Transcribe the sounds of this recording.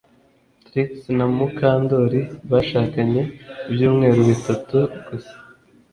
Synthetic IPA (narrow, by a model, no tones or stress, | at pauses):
tɾiksnamukaːndoɾiβaʃaːkaɲe̞bjuːmŋe̞ːɾuβitatuɡ̥use̥